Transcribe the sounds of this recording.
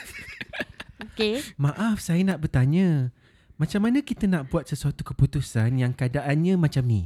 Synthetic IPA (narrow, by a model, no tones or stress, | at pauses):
okemãʔafsajənaʔbərt̪aɲə̃ | mãt͡ʃamːanə̃kit̪ənaʔbuat̪̚səsuat̪ukəput̪usanjaŋkadaʔanɲãmãt͡ʃamni